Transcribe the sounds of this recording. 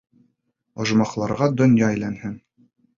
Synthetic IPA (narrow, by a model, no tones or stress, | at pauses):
ŏʒmɑqlˠɑɾʁɑd̪ŏnjɑæjlænhɘn